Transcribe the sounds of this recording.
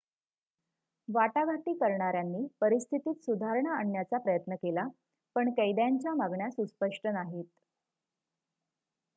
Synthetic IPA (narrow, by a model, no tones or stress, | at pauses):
ʋaʈaɡʱaʈiːkəɾɳaɾjanːiːpəɾist̪ʰit̪iːt̪sud̪ʱaɾɳaaɳːjat͡sapɾəjət̪nəkela | pəɳkəjd̪jaɲt͡ɕjamaɡɳjasuspəʂʈənaɦiːt̪